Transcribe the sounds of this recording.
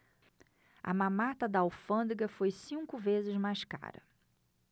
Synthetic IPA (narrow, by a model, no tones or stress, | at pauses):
ɐ̰mãmat̪ɐd̪ɐawfɐ̃nd̪ɡɐfojsĩŋkʊvezɪzmajska̰ɾɐ̰